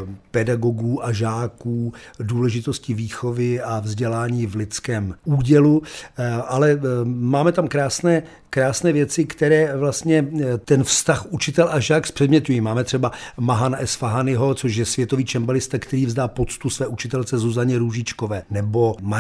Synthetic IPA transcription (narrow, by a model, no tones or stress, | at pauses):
pɛdaɡo̞ɡuːʔaʒaːkuːduːlɛʒɪt̪oscɪviːxo̞vɪavzɟɛlaːɲiːvlɪt͡skɛːmʔuːɟɛlu | ʔalɛmaːmɛt̪amkɾaːsnɛː | kɾaːsnɛːvjɛt͡sɪkt̪ɛɾɛːvlast̪ɲɛt̪ɛnfst̪axʔut͡ʃɪt̪ɛlʔaʒaːkspr̝̥ɛdmɲɛt̪ujimaːmɛt̪r̝̥ɛbamaɦanaʔɛsfaɦanɪɦo̞t͡soʃ̬jɛsvjɛt̪oviːt͡ʃɛmbalɪst̪akt̪ɛɾiːvzdaːpo̞t͡st̪usvɛːʔut͡ʃɪt̪ɛlt͡sɛzuzaɲɛɾuʒɪt͡ʃkovɛːnɛbo̞ma